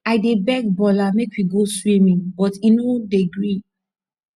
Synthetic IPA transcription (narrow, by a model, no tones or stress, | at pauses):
aɪdebɛkbɔlamekwiɡoswĩmĩŋbɔtinodeɡɹi